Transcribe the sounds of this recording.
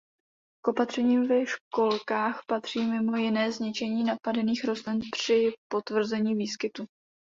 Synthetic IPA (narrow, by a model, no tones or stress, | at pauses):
kʔo̞pat̪r̝̥ɛɲiːmvɛʃko̞lkaːxpat̪r̝̥iːmɪmo̞jɪnɛːzɲɪt͡ʃɛɲiːnapadɛniːxɾo̞zlɪnpr̝̥ɪpo̞t̪vr̩zɛɲiːviːskɪt̪u